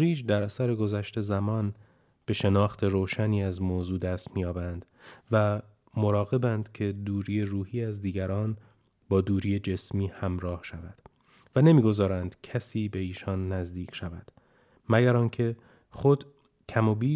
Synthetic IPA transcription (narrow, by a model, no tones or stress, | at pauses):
ɾiːd͡ʒd̪æɾæsæɾe̞ɡo̞zæʃt̪ʰe̞zæmɒːn | b̥e̞ʃe̞nɒːxt̪ʰe̞ɾoːʃæniːæzmoːzuːd̪æːst̪miːjɒːbænd̪̥ | væ | mo̞ɾɒːɣe̞bænd̪̥cʰe̞d̪uːɾiːeruːhiːæzd̪iːɡæɾɒːn | bɒːd̪uːɾiːjed͡ʒe̞smiːhæmɾɒːhʃævæd̪̥ | væne̞miːɡo̞zɒːɾænd̪̥cʰæsiːbe̞iːʃɒnːæzd̪iːcʰʃævæd̪̥ | mæɟæɾɒːncʰe̞ | χod̪ | cʰæmobiː